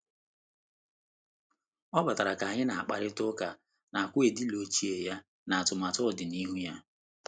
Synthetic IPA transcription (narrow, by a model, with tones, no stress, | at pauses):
ɔ˦ba˨ta˨ɾa˨ka˨ɲɪ˦na˨a˨k͡pa˨ɾɪ˦tʊ˦ka˨ | na˨kʷʊ˦e˨di˦lo˨˦t͡ʃi˦e˨ja˦ | na˨a˨tʊ˨ma˨tɔ˦˨dɪ˨ni˦ɦu˦ja˦